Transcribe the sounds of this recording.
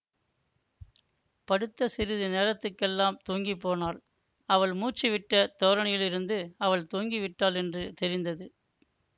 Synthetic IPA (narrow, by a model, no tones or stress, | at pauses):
pɐɽɯt̪ːɐsɪɾɪðɯneːɾɐt̪ːɯkːɛlːaːmt̪uːŋɡipːoːnaːl | ɐʋɐɭmuːt͡ʃːiʋɪʈːɐt̪ɔːɾɐɳɪjɪlɪɾɯnd̪ɯɐʋɐɭt̪uːŋɡiʋɪʈːaːlɛndrɯt̪ɛɾɪnd̪ɐðɯ